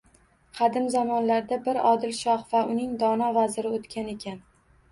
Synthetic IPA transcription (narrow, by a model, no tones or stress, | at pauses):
qʰɑd̪ɪmzamɒnlaɾd̪abɪɾɒd̪ɪlʃɒχvaʔʊnɪŋd̪ɒnɒvazɪɾɪot̪kʲʰane̞kʲʰan